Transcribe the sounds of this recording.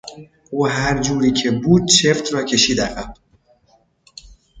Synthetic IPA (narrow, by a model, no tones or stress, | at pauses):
oɦaɾd͡ʒuɾikʰebud̪̚t͡ʃʰeft̪ɾɔkeʃid̪aqap